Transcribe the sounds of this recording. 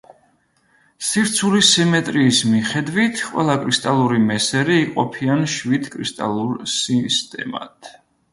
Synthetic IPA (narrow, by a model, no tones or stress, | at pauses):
siɾt̪sʰulisimɛt̪ʼɾiːsmiχɛd̪wit̪ʰqʼwɛ̰lˠakʼɾist̪ʼalˠuɾimɛsɛɾiːqʼɔ̰pʰianʃwid̪kʼɾist̪ʼa̰lˠuɾsist̪ʼɛ̰ma̰t̪ʰ